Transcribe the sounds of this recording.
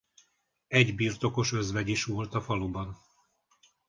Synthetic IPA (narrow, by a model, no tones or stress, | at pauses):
ɛɟbiːrt̪o̞ko̞ʃø̞zvɛɟiʃʋolt̪ɒfɒlubɒn